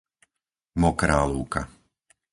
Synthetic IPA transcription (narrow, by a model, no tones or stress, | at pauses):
mɔkɾaːluːka̰